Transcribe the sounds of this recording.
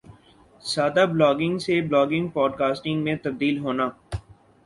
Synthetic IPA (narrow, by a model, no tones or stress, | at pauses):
saːd̪ablɔːɡɪ̃ŋɡseblɔːɡɪ̃ŋɡpɔːɖkaːsʈɪ̃ŋɡmẽt̪ɐb̚d̪iːlɦoːnaː